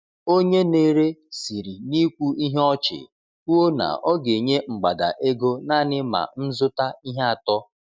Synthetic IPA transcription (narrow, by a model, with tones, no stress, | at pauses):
o˦ɲe˦ne˦ɾe˦si˨ɾi˨ni˦kʷu˦i˦ɦɔ˦t͡ʃɪ̰˨ | u˦o˦na̰˨ʔɔ˦ɡe˨ɲe˦ŋ͡m̩˨ɡ͡ba˨da̰˨ʔe˦ɡo˦na˦˨nɪ˦ma̰˨n̩˦zʊ˦ta˦i˦ɦe˦a˨tɔ˦